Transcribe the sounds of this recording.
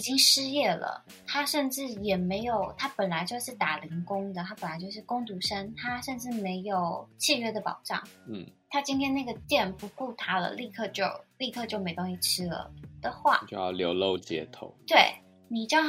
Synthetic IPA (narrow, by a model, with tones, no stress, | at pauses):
t͡ɕi˥ŋʂɻ̩˥jɛ˥˩lə̰˩ | t̪ʰa˥ʂə˥˧nʈ͡ʂɻ̩˥˩jɛ˨˩me˧˥ɪjo˨˩˦ʊt̪ʰa˥pə˨˩nla˧˥ɪt͡ɕjo˥˧ʊʂɻ̩˥˩t̪a˨˩li˧˥ŋkʊ˥ŋd̪ə˨t̪ʰa˥pə˨˩nla˧˥ɪt͡ɕjo˥˧ʊʂɻ̩˥˩kʊ˥ŋt̪u˧˥ʂə˥nt̪ʰa˥ʂə˥˧nʈ͡ʂɻ̩˥˩me˧˥ɪjo˨˩ʊt͡ɕʰi˥˧ɥɛ˥˩d̪ə˨pɑ̰˨˩ʊʈ͡ʂɑ̰˥˩ŋ̩˥˩t̪ʰa˥t͡ɕi˥nt̪ʰjɛ˥nna˥˩ɡə˩t̪jɛ˥˧npu˧˥ku˥˩t̪ʰa˥lə̰˨li˥˧kʰɤ˥˧t͡ɕjo˥˧ʊli˥˧kʰɤ˥˧t͡ɕjo˥˩me˧˥ɪt̪ʊ˥ŋɕi˥˩ʈ͡ʂʰɻ̩˥lə̰˩d̪̥ə˨xwa̰˥˩t͡ɕo˥˧jɑ̰˥˩ʊljo˧˥ʊlo˥˧ʊt͡ɕjɛ̰˧˥t̪ʰo̰˧˩˦ʊt̪we˥˩ɪ | ni˨˩ʈ͡ʂ